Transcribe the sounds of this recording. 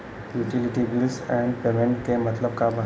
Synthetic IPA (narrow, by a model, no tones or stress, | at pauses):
juʈiliʈibilsɛ̃ɳɖpemẽɳʈkemət̪ləb̚kabʱa